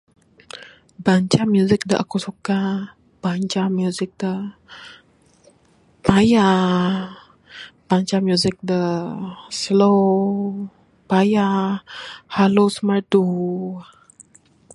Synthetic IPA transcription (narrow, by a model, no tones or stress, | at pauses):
baɲt͡ʃamjuzɪk̚dəʔa̰kusuka | b̥aɲt͡ʃamjuzɪk̚də | paja | b̥aɲt͡ʃamjuzɪk̚də | slo | paja | halosmardu